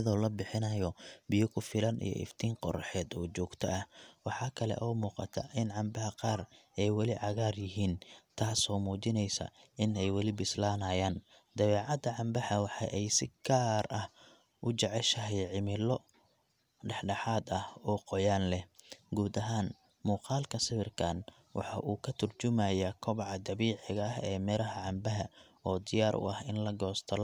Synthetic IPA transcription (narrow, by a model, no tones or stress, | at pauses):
ðɔːlɐbɪħɪnɐjɔbɪjɔkʰʊfɪlɐnʔḭjɔ̰ʔɪ̰ft̪ʰiːnqɔ̰rħɛːd̪ɔːt͡ʃɔːɡt̪ʰɐ̰ʔɐwɑħɑːkʰɐlɛ̰ʔɔːmuːqɑ̰t̪ʰɐ̰ʔɪnʕɑmbɐhɐqɑːrɛjwɑlɪʕɑɣaːrjɪɦiːnt̪ʰaːsɔːmuːt͡ʃɪnɛjsɐ̰ʔɪnɛjwɑlɪbɪslaːnɐːjaːn | d̪̥ɐβɛːʕɑd̪ɐʕɑmbɐħɐwɑħɑ̰jʔɛjsɪɡaːrɐh | ʔʊt͡ʃɛʕɛʃɐɦɛjʕɪmɪlɔ | ɖɛħɖɑħaːd̪ɐhɔːqɔjaːnlɛhɡuːd̪ɐɦaːn | muːqɑːlkʰɐsɪβɪrkʰaːn | wʔɑ̰ħɑʔuːkʰɐt̪ʰʊrt͡ʃʊmajakʰɔβʕɑd̪ɐβiːʕɪɣɐɐɦɛːmɛɾɐɦɐʕɑmbɐɦɐ | ɔːd̪ɪjaːɾʔʊ̰ɐhɪnlɐɡɔːst̪ʰɐl